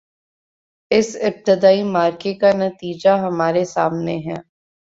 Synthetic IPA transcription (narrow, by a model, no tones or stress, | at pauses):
ɪsɪp̚t̪ɪd̪aːimaːɾkekanɐt̪iːd͡ʒaɦɐmaːɾesa̰ːmneɦɛː